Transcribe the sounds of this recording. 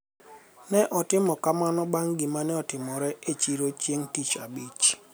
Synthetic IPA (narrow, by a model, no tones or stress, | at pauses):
nɛʔɔtɪmɔkamanɔbaŋɡɪmanɛɔtɪmɔɾɛet͡ʃiɾot͡ʃjeŋtit͡ʃabit͡ʃ